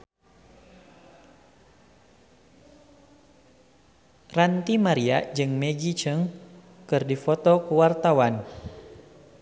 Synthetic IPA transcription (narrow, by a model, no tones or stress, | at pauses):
rant̪imaɾia̰d͡ʒɨŋmɛɡit͡ʃəŋ | kɨrdifɔt̪ɔkuwart̪awan